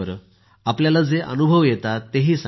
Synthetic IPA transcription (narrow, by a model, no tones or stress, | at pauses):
əɾ | apljalad͡zeʔə̰nubʱəʋjet̪at̪eɦiːsa